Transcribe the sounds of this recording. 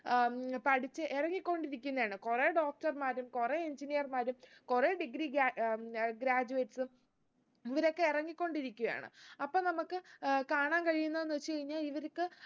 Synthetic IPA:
pɐʈʰit͡ɕːɨʔirɐŋːikʲːo̞ɳɖiɾikʲːunːɐaːɳɨkureɖo̞ːk̚ʈɐrmaːɾumkureeɲd͡ʑinijɐrmaːɾumkureɖiɡɾiɡaɡɾaːd͡ʑuʋeːʈsɨm | iʋɐɾo̞kːe̞irɐŋːikʲːo̞ɳɖiɾikʲːuɣɐja̰ːɳɨ̰ɐpːoːnɐmukːɨkaːɳaːnkɐɻijunːɐðenːɨt͡ɕːeɐɻiɲːaːliʋɐɾukːɨ

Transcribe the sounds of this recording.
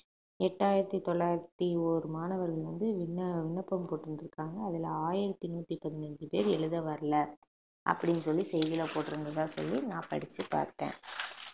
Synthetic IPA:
ɛʈːaːjɪɾɐt̪ːit̪ɔɭːaːjɪɾɐt̪ːiɔːɾɯmaːnɐʋɐɾɣɐɭʋɐnd̪ɯʋɪɳːɐʋɪɳːɐpːɐmpoːʈːɪɾɯnd̪ɪɾɯkːaːŋɡɐːðɪlaːjɪɾɐt̪ːinuːʈ̪ːipɐðɪnɐɲd͡ʒɯpḛːɾɛɭɯðɐʋɐɾɐlɐ | ʔɐ̰pːɐɽɪnːɯsɔlːisɛjðɪlɐpoːʈːɪɾɯnd̪ɐðãːsɔ̰lːinãːpɐɽɪt͡ʃːɯpa̰ːɾʈːḛ̃ː

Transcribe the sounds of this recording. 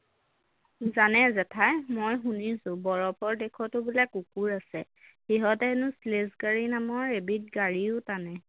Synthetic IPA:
zanɛzɛtʰajmojɦunisʊbɔɹɔpʰɔɹdɛkʰɔtʊbilakukuɹasɛ | xiɦɔtɛɛnʊslesɡaɹinamɔɹebit̚ɡaɹiʊtanɛ

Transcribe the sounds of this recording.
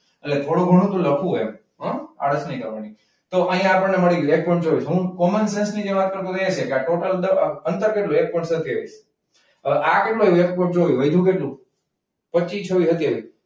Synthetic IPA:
əlet̪ʰoɽ̃ũɡʱəɽ̃ũt̪ũləpʰũḛm | ɦə̃a̰ɽəsnəĩk̪ə̰ɾʋani | t̪oʔəɦĩjãapəneməɭiɡek̚pɔ̃ʈt͡ʃoʋit͡ʃɦũkɔmənsensnid͡ʒeʋat̪̚kəɾt̪̬õkəjet͡ʃʰekeaʈoʈəld̪əənt̪əɾkeʈlũek̚pɔʈsət̪ʰiə̰js | əʔakeʈluəʋek̚pɔɳʈd͡ʒoʋiʋəjd̪ʱũk̬eʈlũ | pəːt͡ʃit͡ʃʰəʋiɦət̪ieʋi

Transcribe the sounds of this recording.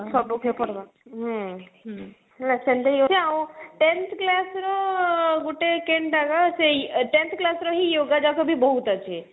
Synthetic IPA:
sɔbukʰepəɾd̪a | ɦɦ | ɾɐt͡ʃɐ̃nd̪ejot͡ʃeaw̃ʈent̪ʰklasɾɔɡuʈekeɳɖaɡaseʈent̪ʰklasɾɔɦijoɡad͡ʒakobʱibəɦut̪at͡ʃʰe

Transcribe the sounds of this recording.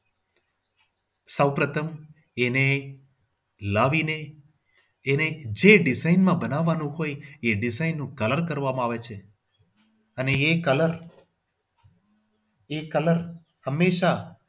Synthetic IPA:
səwpɾət̪ʰəm | ene | laʋineː | ned͡ʒeɖɪzainmãbənaʋːanũɦojeɖɪzainːũkələɾkəɾʋamãaʋet͡ʃʰe | əneekələɾ | ekələɾ | həmːeʃa

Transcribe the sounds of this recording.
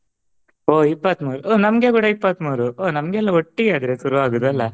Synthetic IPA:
oːipːɐt̪muːɾuoːnɐmɡeɡuːɽɐipːɐt̪muːɾuoːnɐmɡeɛlːɐoʈːiɡeaːd̪ɐɾesuɾuʋaːɡud̪ɐlːɐ

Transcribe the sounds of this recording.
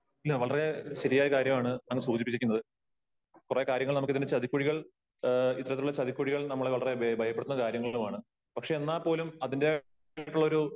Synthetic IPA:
ɐlːeʋɐɭɐreɕɐɾijaːjkaːɾjɐmaːɳɨnɐŋːɐɭsuːd͡ʑipːikʲːikʲːnɐðɨ | kureːkaːɾjɐŋːɐɭnɐmukːɨðindet͡ɕɐðikʲːuɻiɣɐɭ | it̪ːɐɾɐt̪ːiuɭːɐt͡ɕɐðikʲːuɻiɣɐɭnɐmːɐɭeʋɐɭɐre̞bɐjɐpːeɽut̪unːɐkaːɾjɐŋːɐɭumaːɳɨ | pɐkʂe̞ːnːaːpːo̞ːlumɐðinde | ʈːuɭːɐoɾu

